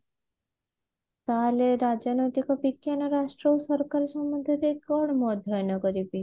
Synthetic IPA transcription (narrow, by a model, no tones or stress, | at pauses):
t̪aleɾad͡ʒanojt̪ikɔbikːjanɔɾaʃʈɾowsɔɾkaɾɔʃɔmud̪ʱeɾeɡɔɽmɔd̪ʱːɔjɔnɔkɔɾibi